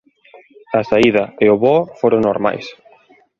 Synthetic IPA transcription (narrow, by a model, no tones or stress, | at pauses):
ɐsaiðɐeoβɔfoɾoŋnoɾma̰js